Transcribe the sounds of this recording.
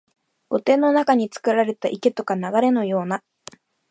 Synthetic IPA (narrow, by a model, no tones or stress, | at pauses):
ɡ̥o̞t̪e̞ːnːo̞nakaɲ̟it͡sɨ̥kɯ̟ɾaɾe̞t̪aʔike̞t̪o̞kanaɡaɾe̞no̞jo̞ːna